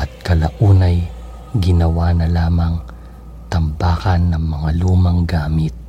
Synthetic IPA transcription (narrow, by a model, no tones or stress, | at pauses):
ʔɐt̪̚kɐlaʔuːnɐj | ɡɪnɐwaːnɐlaːmɐŋ | t̪ɐmbaːkɐnːɐŋmɐŋaluːmɐŋɡaːmɪt̪̚